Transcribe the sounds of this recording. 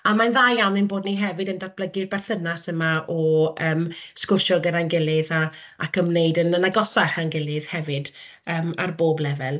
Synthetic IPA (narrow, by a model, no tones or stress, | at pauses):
amanðaːjjawnɪnboːdniɦɛvɨdəndat̚b̥ləɡɨrbɛrθənasəmaʔɔəːmskʊʃɔɡənanɡɪlˠɪða | akʰəmnejdənənaɡɔsaχanɡɪlˠɪð̥hɛvɨd | əːmarboːblɛvɛlˠ